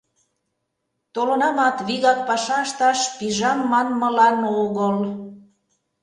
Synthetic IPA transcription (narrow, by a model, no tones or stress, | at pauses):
t̪olə̆nɑmɑt̪βiɣɑk̚pɑʃɑəʃt̪ɑʃpiʒɑmːɑnmə̆lɑnoɣəl